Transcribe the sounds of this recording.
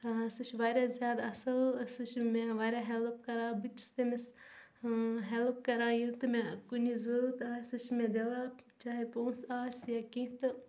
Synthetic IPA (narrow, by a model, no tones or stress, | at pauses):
sɨt͡ʃʋaːɾʲazjaːd̪ɐsɐlɐsɨt͡ʃmẽʋaːɾʲaɦelp̚kɐɾaːbɨt͡ʃi̥st̪emes | ɦelp̚kɐɾaːjĩt̪ɨmẽkunizɐɾuːt̪aːsʲɨt͡ʃmẽd̪eʋaːt͡ʃaːɦepoːsaːsʲjakĩt̪ɨ